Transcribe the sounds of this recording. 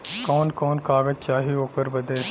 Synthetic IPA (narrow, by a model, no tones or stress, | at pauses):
kɔːnkɔːnkaːɡəd͡ʒt͡ʃaːɦioːkəɾbɐd̪eː